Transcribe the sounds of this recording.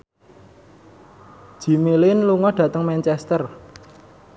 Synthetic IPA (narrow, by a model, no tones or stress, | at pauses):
ʒ̥i̤milɪnluŋɔɖ̥ä̤t̪əŋmɛnt͡ʃɛst̪ər